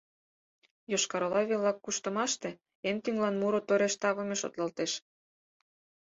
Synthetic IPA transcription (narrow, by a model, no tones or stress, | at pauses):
joʃkɑɾolɑβelɑkːuʃt̪ə̆mɑʃt̪e | ent̪yŋlɑnmuɾot̪oɾeʃt̪ɑβɤ̆meʃo̰t̪lɑlt̪eʃ